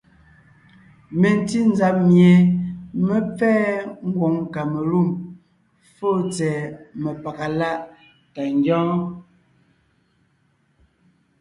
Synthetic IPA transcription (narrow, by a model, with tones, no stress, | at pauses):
me˨n˨ti˦n̩˦za˨˦mje˨me˦p͡fɛː˦ŋ̩˦ɡwɔ˨˦ŋka˨me˨lu˦˨m | fo˦˨t͡sɛː˨mə˨pa˨ka˨la˦ʔ | ta˨ŋ˦ɡɔ̃ː˦